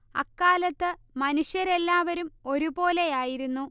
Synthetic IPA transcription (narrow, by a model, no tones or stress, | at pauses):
ɐ̰kːaːlɐt̪ːɨ | mɐnuʂjɐɾe̞lːaːʋɐɾumo̞ɾubo̞ːle̞jaːjiɾunːu